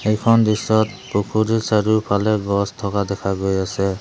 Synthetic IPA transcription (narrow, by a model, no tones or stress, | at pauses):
ejkʰɔndisɔt̚ | pokʰuɾesaɾupʰalɛɡɔstʰɔkadɛkʰaɡojasɛ